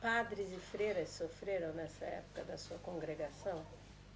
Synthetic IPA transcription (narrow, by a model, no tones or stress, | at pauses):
pad̪ɾɪzɪfɾeɾɐssofɾeɾɐ̃w̃nɛsɐɛ̰pʊ̥kɐd̪ɐsuɐkõŋɡɾeɡasɐ̃w̃